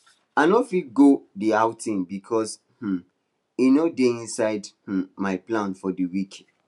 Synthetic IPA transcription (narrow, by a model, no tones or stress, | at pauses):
aɪnofit̚ɡodiaʊtĩmbikʰɔs | h̩ | inodeĩnsaɪdh̩maɪplãnfɔdəwikʰ